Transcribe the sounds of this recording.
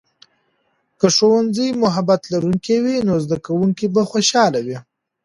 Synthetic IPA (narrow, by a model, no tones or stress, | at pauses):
kəʂowanzəjmʊɦabat̪laɾuŋkewinozd̪akawuŋkibaxoʃɑlawi